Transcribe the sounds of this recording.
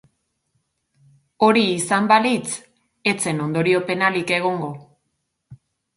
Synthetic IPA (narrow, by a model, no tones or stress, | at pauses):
o̞ɾiːsambalit͡s | e̞t͡se̞no̞nd̪o̞ɾio̞pe̞nalike̞ɣ̞o̞ŋɡo̞